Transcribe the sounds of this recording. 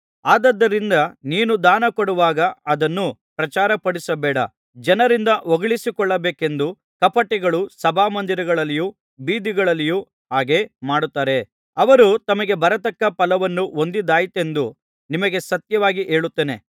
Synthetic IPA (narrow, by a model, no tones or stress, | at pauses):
aːd̪ɐd̪ːɐɾind̪ɐniːnud̪aːnɐkoɽuʋaːɡɐɐd̪ɐnːupɾɐt͡ʃaːɾɐpɐɽisɐbɛːɽɐ̰ | d͡ʒɐnɐɾind̪ɐʔoɡɐɭisikɔɭːɐbeːke̞nd̪u | kɐpɐʈːɛɡɐɭusɐbʱaːmɐnd̪iɾɐɡɐɭɐlːiju | biːd̪iɡɐɭɐlːiju | ɦaːɡe̞maːɽut̪ːaːɾe̞ | ɐʋɐɾut̪ɐmɐɡe̞bɐɾɐt̪ɐkːɐpɐlɐʋɐnːuond̪id̪aːjit̪e̞nd̪u | nimɐɡe̞sɐt̪jɐʋaːɡiʔe̞ːɭut̪ːeːne